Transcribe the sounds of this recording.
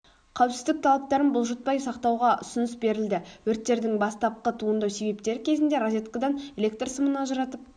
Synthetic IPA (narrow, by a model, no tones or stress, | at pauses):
qʰæwpsɪzd̪ɪk̚t̪ʰɑlˠɑp̚t̪ɑɾənbʊlˠʒət̪̚pɑjsɑqt̪ɑwʁɑʔʊ̰sʊnʏsbe̞ɾɪld̪ɪwɵɾt̪ːe̞ɾd̪ɪŋbɑst̪ɑp̚qət̪ʰuənd̪ɑwse̞be̞p̚t̪e̞ɾɪkʲʰe̞zɪnd̪e̞ɾozʲet̪kɑd̪ɑnelʲe̞k̚t̪rsʊmənɑʒəɾɑt̪əp̚